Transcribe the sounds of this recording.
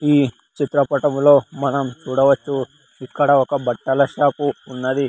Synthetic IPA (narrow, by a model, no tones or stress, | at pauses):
iː | t͡ʃit̪ɾɐpɐʈɐmlo̞ːmɐnɐmt͡ʃuːɽɐʋɐt͡ʃːu | ikːɐɽɐɔkɐbɐʈːɐlɐʃaːpuːnːɐd̪i